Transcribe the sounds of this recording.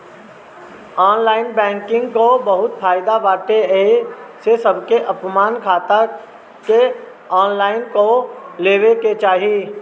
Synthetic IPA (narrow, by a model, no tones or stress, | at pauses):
ɔːnlaːɪnbɛ̃ːŋkɪ̃ŋɡkobɐɦʊt̪faːɪd̪abaːʈeesesɐbkeʔɐpmaːnkʰaːt̪a | ke | ɔːnlaːɪnkoleːʋeket͡ʃaːɦiiː